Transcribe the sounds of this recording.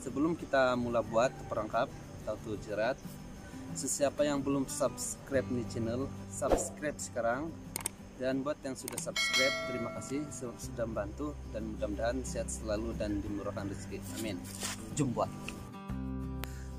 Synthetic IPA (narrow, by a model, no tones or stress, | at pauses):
səbəlʊmkit̪amulabuat̪ːəpəɾaŋkap̚ | t̪awt̪ud͡ʒəɾat̪̚ | səsiapajaŋbəlʊmsap̚skɾap̚nit͡ʃinəlsab̚skɾɛp̚sə̥kaɾaŋ | danbuat̪jaŋsudahsap̚skɾɛp̚t̪əɾimakasɪhsəbap̚sədaŋmbant̪udanmut͡ʃamdaɦansiat̪̚səlaludandimənuɾakanrisi̥kit̪a̰mɪn | d͡ʒʊmbuat̪